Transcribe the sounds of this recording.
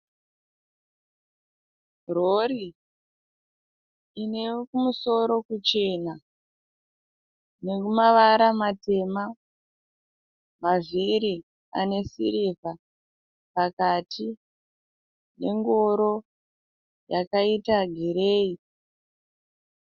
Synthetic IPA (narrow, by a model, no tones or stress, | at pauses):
roɾi | ne̞kumuso̞ɾo̞kut͡ʃe̞na | ne̞kumaʋaɾamate̞ma | maviɾi | a̰ne̞sḭɾiva | pakatʰi | ne̞̰ŋɡoɾo̞ | jakaitaɡʱiɾeːi